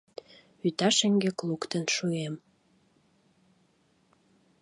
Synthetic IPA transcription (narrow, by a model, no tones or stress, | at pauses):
yt̪ɑʃeŋɡeklukt̪ənʃuem